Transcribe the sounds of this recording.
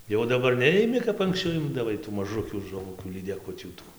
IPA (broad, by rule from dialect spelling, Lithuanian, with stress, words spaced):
jɛʊ dɐˈbɐr ˈnʲɛɪmʲɪ kɐp ɐŋksʲˈt͡ʃʲɛʊ ˈɪmdɐʋɐɪ tuː mɐˈʒʊkʲuː ʒʊˈʋʊkʲuː lʲiːdʲɛˈkʊtʲuː ˈtuː